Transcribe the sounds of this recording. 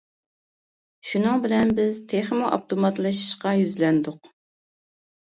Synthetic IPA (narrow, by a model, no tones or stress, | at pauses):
ʃunɨŋbɪlɛnbɪzt̪ʰeχmoʔɑ̰p̚t̪omɑt̪lˠɨʃi̥ʃqɑjyzlɛnd̪ʊq